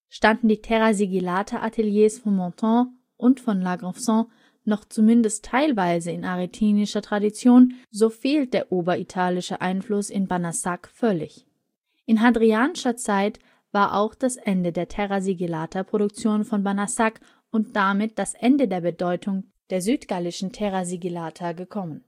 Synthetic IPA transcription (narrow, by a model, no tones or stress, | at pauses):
ʃtandn̩diːtʰɛʁaziɡilaːtʰaʔatʰeljeːsfɔnmɔ̃tʰɑ̃ | ʔʊntfɔnlaɡʁɔfsɑ̃ | nɔχt͡sumɪndəstʰːaɪlvaɪzəɪnʔaʁitʰiːnɪʃɐtʁ̥adit͡sjoːnzoːfeːlt̚d̥eːɐʔoːbɐitʰaːlɪʃəʔaɪnflʊsɪnbanasakfœlɪç | ʔɪnɦadʁiaːnɪʃɐt͡saɪt | v̥aːɐʔa̰ʊxd̥asʔɛndədeːɐtʰɛʁaziɡilaːtʰapʁ̥oɾʊk̚t͡sjoːnfɔnbanasak | ʊntd̥amɪt̚d̥asʔɛndədeːɐbədɔʏtʰʊŋ | d̥eːɐzyːtɡ̥alɪʃn̩tʰɛʁaziɡilaːtʰaɡəkʰɔmən